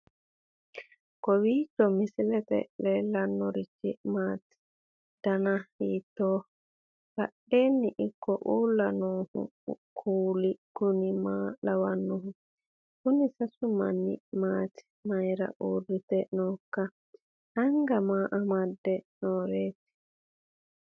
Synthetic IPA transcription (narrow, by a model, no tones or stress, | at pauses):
kɔwiːt͡ʃːɔmɪsɪlɛt̪ɛ̰lɛːlːɐnːɔɾɪt͡ʃːɪmaːt̪ɪ̥ | d̪̥ɐnɐiːt̪ːoː | kɐɗeːnːɪʔɪkːɔʔuːlːɐnoːhʊ̰kʰuːlɪkʊnɪmaːlɐwɐnːɔɦʊ | kʊnɪsɐsʊmɐ̰nːɪ̰maːt̪ɪ̥ | mɐjɾɐ̰ʔuːrːɪt̪ɛnoːkːɐ | ʔɐŋɡɐmaːʔɐmɐd̪ːɛnoːɾeːt̪ɪ̥